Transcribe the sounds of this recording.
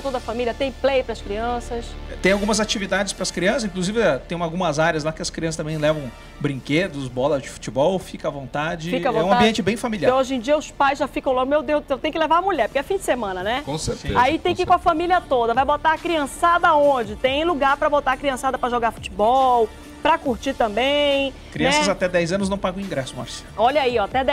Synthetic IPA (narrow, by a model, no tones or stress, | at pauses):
t̪od̪ɐɐfamilʲiɐt̪ẽj̃plejpɾɐskɾiɐ̃sɐsɛt̪ẽj̃awɡũmɐzat͡ʃivid̪ad͡ʒɪspɾɐskɾiɐ̃sɐzĩkluzivɪɛt̪ẽj̃awɡũmɐzaɾjɐzlakɪɐskɾiɐ̃st̪ɐ̃mbẽj̃lɛvɐ̃w̃ | bɾĩŋked̪ʊzbɔlɐzd͡ʒɪfu̥t͡ʃɪbɔwfikɐvõnt̪ad͡ʒɪfikɐvõɛũɐ̃mabiẽnt͡ʃɪbẽj̃familiãoʒẽj̃d͡ʒiɐʊspajzʒafikɐ̃w̃lãmewd̪ewzʊẽwt̪ẽj̃kɪlevaɾɐmulʎɛɾpʊɾkɛfĩd͡ʒɪ̥semɐ̃nɐnɛkõseɾt̪ḛait̪ẽj̃kikõɐfamiliɐt̪od̪ɐvajbot̪aɾɐkɾiɐ̃sad̪ɐõd͡ʒɪt̪ẽj̃luɡaɾpɾɐbot̪aɾɐkɾiɐ̃sad̪ɐpɾɐʒoɡaɾfu̥t͡ʃibɔw | pɾɐkuɾt͡ʃit̪ɐ̃mbẽj̃ | kɾinɐ̃ɛsɐzat̪ɛd̪ɛjzɐ̃nʊznɐ̃w̃paɡɐ̃w̃ĩɡɾɛsʊma̰ɾsɛ̃ɔʎɐiɔat̪ɛd̪ɛ